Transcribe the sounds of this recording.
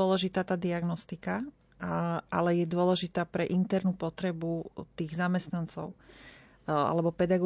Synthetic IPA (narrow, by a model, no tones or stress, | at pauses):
ɔlɛʒit̪aːt̪aːd̪iaɡnɔst̪ika | ʔa̰lɛjɛd̪ʊɔlɛʒit̪aːpɾɛʔint̪ɛɾnupɔt̪ɾɛbut̪iːɣzamɛst̪nant͡sɔ̰ʊ | a̰lɛbɔpɛd̪aɡɔ